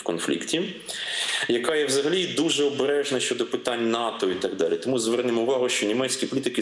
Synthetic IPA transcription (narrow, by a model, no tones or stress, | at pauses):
kɔnflʲḭktʲi | jɐkɑjɛwzɐɦɐlʲid̪uʒɛɔbeɾɛʒnɐʃt͡ʃɔd̪ɔpɪt̪ɑnʲnɑt̪ɔit̪ɑɡd̪ɑlʲit̪ɔmuzʋɛrnɪmɔʊʋɑɦʊʃt͡ʃɔnʲimɛt͡sʲkʲipɔlʲit̪ɪkɪ